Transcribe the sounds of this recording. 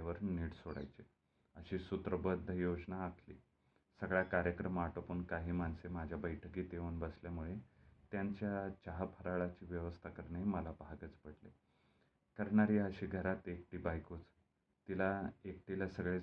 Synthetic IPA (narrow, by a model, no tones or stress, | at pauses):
ʋəɾniːɽsoɽa̰jt͡se | əɕiːsut̪ɾəbəd̪ʱːəjod͡ʑnaːkʰlḭː | səɡɭjakaɾjəkɾəmaʈəpuːnkaɦiːmansemad͡ʑʱjabəjʈʰəkiːt̪eunbəsljamuɭet̪jaɲt͡ɕjat͡ɕaɦapʰəɾaɭat͡ɕiːʋjəʋəst̪ʰakəɾɳaiməlabʱaɡət͡spəɽlḛ | kəɾɳaɾiːəɕiːɡʱəɾat̪ek̚ʈiːbajkut͡s | t̪ilaek̚ʈilasəɡɭe